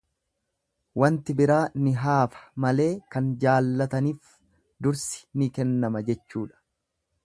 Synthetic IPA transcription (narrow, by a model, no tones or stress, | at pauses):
wɐnt̪ɪbɪɾaːnɪɦaːfɐ̥mɐle̞ːkɐnd͡ʒaːlːɐt̪ɐniːf | d̪ʊɾsɪ̥nɪkɛnːɐmɐd͡ʒɛt͡ʃːuːᶑɐ̥